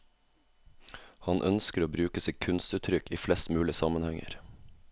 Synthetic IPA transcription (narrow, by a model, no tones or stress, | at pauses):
hɑnʔœnskəɾoːbɾʉːkəsɪkʰʉnst̪ʉːt̪ʰɾʏkiːflɛst̪mʉːlɪsɑmənhɛŋə̰ɾ